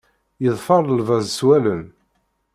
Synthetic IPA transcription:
jəðˤfɑɾˤəlvæzswælən

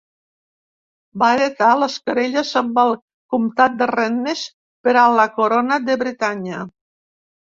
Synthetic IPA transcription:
baeɾet̪aləskəɾeʎəzəmbalˠ | kumt̪at̪̚d̪erɛnːes | peɾalakoɾonaðeβɾet̪aɲa

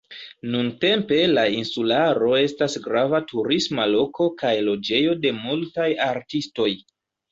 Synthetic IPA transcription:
nunte̞mpe̞lainsulaɾo̞e̞stasɡɾavatʰuɾismalo̞ko̞kajlo̞d͡ʒe̞jo̞de̞multajaɾtisto̞j

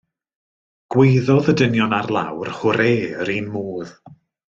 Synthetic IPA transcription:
ɡ̥wejðɔðədənjɔnarlˠa̰wrhʊɾeːɾinmuːð̥

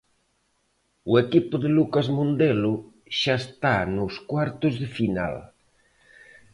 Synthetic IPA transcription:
uekipʊðelukazmõnd̪elʊ | ʃaest̪anʊskwaɾt̪ʊzðɪfina̰l

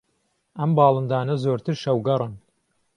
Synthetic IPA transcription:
ɐmbɑːlˠɨnd̪aːnɐzoːɾt̪ʰɨɾʃɐwɡɐrˤɨn

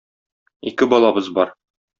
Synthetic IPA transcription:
ikɘbɒlˠɑbɤzbɒɾ

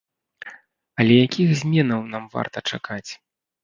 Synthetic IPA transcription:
ɐlʲɛjakʲixzʲmʲɛnɐwnamva̰rt̪ɐt͡ʂa̰kat͡sʲ

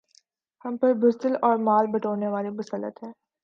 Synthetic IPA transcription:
hɐmpɐɾbʊst̪əlɔːɾmaːlbɐʈoːneʋaːlimʊsəlːə̰t̪ɦɛ̃ː

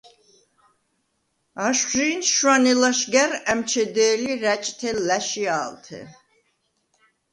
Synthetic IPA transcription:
aʃʒiːnʃwanɛlaʃɡæɾæmt͡ʃʰɛd̪ɛːliɾæt͡ʃʼt̪ʰɛlæʃiaːlt̪ʰɛ̰

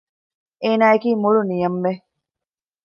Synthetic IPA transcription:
eːnaːekiːmuɭunijɐmʋe

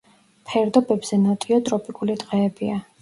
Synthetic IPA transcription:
pʰɛɾd̪ɔbɛbz̥ɛnɔt̪ʼiɔt̪ʼɾɔpʼikʼulid̪ʁqʼɛːbia

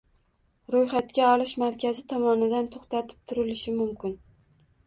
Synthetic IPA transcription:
ɾojχat̪kʲaɒlɪʃmaɾkʲʰazɪt̪ʰɒmɒnɪd̪ant̪ʰoχt̪at̪ʰɪ̥p̚t̪ʰʊɾɪlɪʃɪmʊmkʲɪn

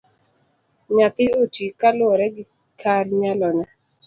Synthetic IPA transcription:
ɲat̪ɪotikalʊɔɾɛɡɪ | kʰaɾɲalɔna

